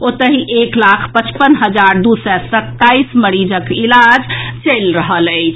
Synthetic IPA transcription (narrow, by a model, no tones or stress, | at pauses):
ot̪əɦiʔeklakʰpət͡ʃpənɦəd͡ʒaɾd̪usɛsət̪ːaisməɾid͡ʒəkilad͡ʒt͡ʃəjlɾəɦələɪt͡ʃʰ